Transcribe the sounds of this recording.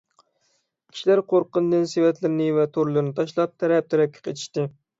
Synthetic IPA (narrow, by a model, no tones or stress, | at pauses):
kʲʰi̥ʃilæɾqʰoɾqənd̪ɨnsewɛt̪lɪɾɪnɪvɛt̪ʰoɾlˠɨɾɪnɨt̪ʰɑʃlˠɑp̚t̪ʰɛɾɛp̚t̪ʰɛɾɛp̚kʲʰːɛ̥qʰet͡ʃ̪ʰi̥ʃt̪ɨ